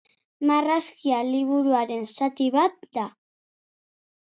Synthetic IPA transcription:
maraskialiβ̞uɾuaɾe̞nsat̪iβat̪̚d̪a

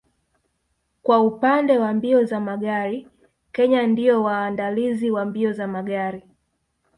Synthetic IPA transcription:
kwaupandɛwambiɔzamaɠaɾi | kɛɲandiɔwaːndaliziwambiɔzamaɠaɾi

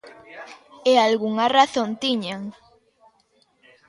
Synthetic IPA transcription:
ealɣuŋaraθõnt̪iɲaŋ

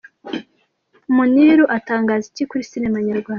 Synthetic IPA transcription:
muniːɾuʔataːŋɡaːzicikuɾisinemaɲaɾɡwaːnda

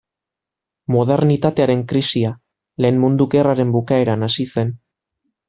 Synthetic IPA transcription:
moð̞e̞ɾnit̪at̪e̞aɾe̞ŋkɾisia | le̞ːnmund̪uke̞raɾe̞mbukae̞ɾanasise̞n

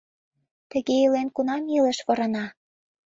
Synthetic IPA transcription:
t̪ə̆ɣeilenkunɑmilə̆ʃβŏɾɤ̆nɑ

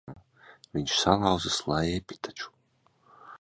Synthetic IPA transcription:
viɲʃsalˠawzɨslˠajɛpʲi̥t̪ḁt͡ʃu̥

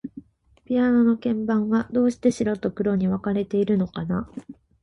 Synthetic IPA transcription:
pʲiano̞no̞kẽ̞mbãɰ̃βad̪o̞ːɕi̥t̪e̞ɕiɾot̪o̞kɯ̟ɾo̞ɲ̟iβakaɾe̞t̪e̞iɾɯ̟no̞kana

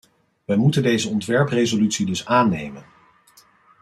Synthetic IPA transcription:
ʋəjmutəndejzəɔntʋɛɹprezolytsidɵsaːnejmən

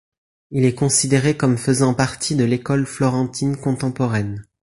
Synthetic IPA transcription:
ilɛkɔ̃sid̪eʁekɔmfəzɑ̃paʁt̪ʰid̪əlekɔlflɔʁɑ̃t̪ʰinkɔ̃t̪ɑ̃pɔʁɛn

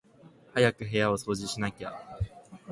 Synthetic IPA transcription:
hajakɯ̟ɦe̞jao̞so̞ːʑiɕinakʲa̰

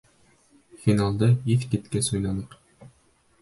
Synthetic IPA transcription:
finalˠd̪ɤiθket̪kæsujlˠɑnɤq

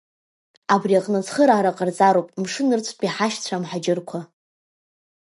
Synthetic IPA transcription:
abriaqʼnɨt͡sʰχəɾaːɾaqʼərd͡zʼaɾowpʼmʂɨnɨrt͡sʷʰpʼiħaʃt͡ɕʷʰamħad͡ʒɪrkʷʰa

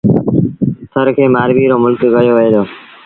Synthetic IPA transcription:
t̪ʰəɾkʰeːmaːɾʋiːɾoːmʊlkɡəjoːʋɪeːd̪oː

